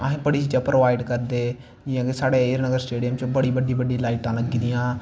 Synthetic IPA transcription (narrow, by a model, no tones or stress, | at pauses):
əɦẽːbəɽiːt͡ʃiːd͡ʒãːpɾoːʋaːɪɖkəɾd̪eː | d͡ʒɪãːɡesaːɽeːeːəɾnəɡəɾsʈeːɖijəmt͡ʃːbəɽiːbəɖiːbəɖĩːlaːiʈãːləɡd̪iːjãː